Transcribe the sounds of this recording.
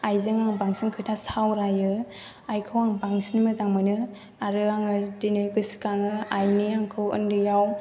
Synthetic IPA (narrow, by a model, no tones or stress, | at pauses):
ajzɯŋaŋbaŋsinkʰɯtʰasawɾajɯ | ajkʰɯwaŋbaŋsinmɯzaŋmɯnɯ | aɾɯaŋɯdinɯjbɯsi̥kaŋɯajniaŋkʰɯwɯ̰ndɯjaw